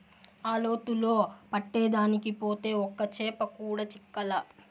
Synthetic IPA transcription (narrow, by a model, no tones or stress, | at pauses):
aːlo̞ːt̪uloːpɐʈːɛːd̪aːnikipo̞ːt̪e̞ːɔkːɐt͡ʃɛːpɐkuːɽɐt͡ʃikːɐlɐ